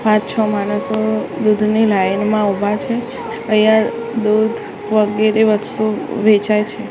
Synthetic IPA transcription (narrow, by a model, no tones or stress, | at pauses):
pãtt͡ʃʰɔmanəsod̪ud̪ʱnilajnmãubʱat͡ʃʰe | əjã | d̪ud̪ʱ | ʋəɡeɾeʋəst̪uʋet͡ʃajt͡ʃʰe